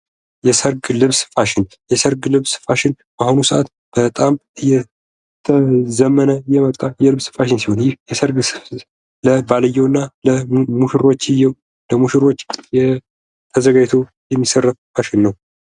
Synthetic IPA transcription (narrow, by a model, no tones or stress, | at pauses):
jɛsəɾɡlɨβsfaʃɪn | jɛsəɾɡlɨβsɨ̥faʃɪn | bahunusəʔat̪ | b̥ət̪ʼamɨjɛ | t̪ʰəzəmːənəjɛmət̪ʼːajɛlɨβsɨ̥faʃ̬ɪnsiho̞njɪhjɛsəɾɡs | ləbaləjːɛwɨnːaləmuʃɪɾo̞t͡ʃːɪjɛw | ləmuʃɪɾo̞t͡ʃːjɛ | t̪ʰəzəɡajt̪ʰo | jɛmːisərːət̪faʃɪnːəw